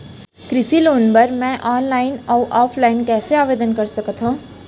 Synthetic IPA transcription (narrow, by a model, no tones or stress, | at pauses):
kɾɪsiloːnbəɾmɛ̃ʔɔːnlaːɪnɔuʔɔːpʰlaːɪnkɛːseaːʋeːd̪ənkəɾsəkət̪ʰɦõː